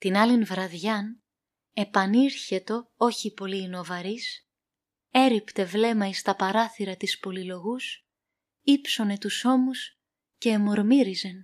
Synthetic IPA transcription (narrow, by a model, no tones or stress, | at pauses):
t̪inɐlinvɾɐðʝɐn | e̞pɐniɾçe̞t̪o̞o̞çipo̞liːno̞vɐɾis | e̞ɾipt̪e̞vle̞mɐist̪ɐpɐɾɐθiɾɐt̪ispo̞lilo̞ɣus | ipso̞ne̞t̪uso̞mus | ce̞ːmo̞ɾmiɾize̞n